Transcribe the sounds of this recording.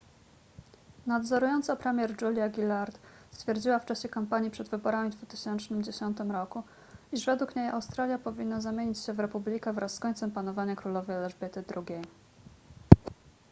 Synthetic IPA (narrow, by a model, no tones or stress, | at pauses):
nad̪zɔɾujɔnt̪sapɾɛmʲjɛɾd͡ʐulʲjaɡʲilaɾt̪ | st̪fʲjɛɾd͡ʑiwaft͡ʂaɕɛkampaɲipʂɛd̪vɘbɔɾamʲid̪vut̪ɘɕɛnt͡ʂnɘmd͡ʑeɕɔnt̪ɘmɾɔku | iʐvɛd̪ukɲeja̰wst̪ɾalʲjapɔvʲinːazamʲjeɲit͡ɕɕɛvɾɛpublʲikɛvɾʔasːkɔɲʲt̪sɛmpanɔvaɲakɾulɔvɛlɛʐbʲɛt̪ɘd̪ɾuɡʲej